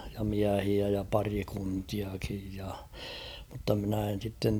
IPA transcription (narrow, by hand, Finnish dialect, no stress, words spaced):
jɑ miæhiæ jɑ pɑrikuntiɑkij jɑ mutːɑ mɪ̆næˑ en̞ sitːen